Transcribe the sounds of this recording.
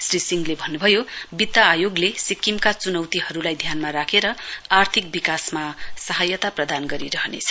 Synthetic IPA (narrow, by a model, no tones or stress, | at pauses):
srisiŋlebʱʌnːubʱʌjobit̪ːaːjoɡlesikːimkat͡sunʌwt̪iɦʌɾulajd̪ʱjanmaɾakʰeɾʌart̪ʰik̚bikasmasʌɦajʌt̪aprʌd̪anɡʌɾiɾʌɦʌnḛt͡sʰʌ̥